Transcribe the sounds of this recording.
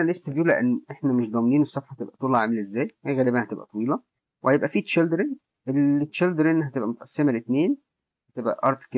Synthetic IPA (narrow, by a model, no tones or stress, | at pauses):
ælesːt̪ebjuːlæʔenːʔeħnæmeʃd̪ˤɑmniːnesˤːɑfħɑht̪ebʔæt̪ˤuːlelʕamelʔezːæːjhæɣæːlebænhæt̪ebʔæ̰t̪ˤɑwiːlɑ | wehæjebʔæfiːʃeld̪ɾen | ʔelet̪ːʃeld̪ɾenːɦæt̪ebʔæmot̪ʔɑsːemælet̪neːn | hæt̪ebʔæ̰ʔɑɾˤt̪k